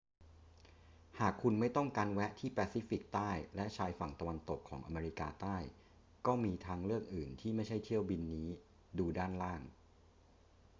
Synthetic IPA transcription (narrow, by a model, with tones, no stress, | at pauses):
haː˨˩kʰu˧nma˥˩jt̪ɔ˥˩ŋkaː˧nwɛ˦˥ʔt̪ʰiː˥˩pɛː˧siː˦˥fi˨˩k̚t̪aː˥˩jlɛ˦˥ʔt͡ɕʰaː˧jfa˨˩ŋt̪a˧wa˧nt̪o˨˩kʰːɔː˩˦ŋʔa̰˧meː˧ɾi˦˥kaː˧t̪aː˥˩j | kɔː˥˩miː˧t̪ʰaː˧ŋɾɯ˥˩ək̚ʔɯː˨˩nt̪ʰiː˥˩ma˥˩jt͡ɕʰa˥˩jt̪ʰi˥˩əwbi˧nːiː˦˥ | duː˧daː˥˩nlaː˥˩ŋ